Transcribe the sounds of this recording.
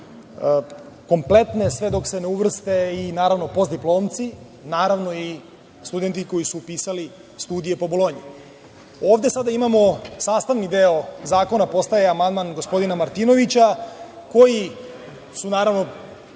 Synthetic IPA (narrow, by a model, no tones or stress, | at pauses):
ko̞mple̞t̪ne̞sʋe̞d̪o̞kse̞neuʋr̩st̪e̞inaːɾaʋno̞po̞zd̪iplˠo̞ːmt̪si | naːɾaʋno̞i | st̪ud̪e̞nt̪iko̞jisuːpiːsali | st̪uːd̪ije̞po̞bolˠoːɲi | o̞ːʋd̪e̞sad̪aimamo̞saːst̪aʋnid̪eo̞zaːko̞napo̞st̪ajeamand̪manɡo̞spo̞d̪inamaɾt̪iːno̞ʋit͡ɕako̞ji | sunaːɾaʋno̞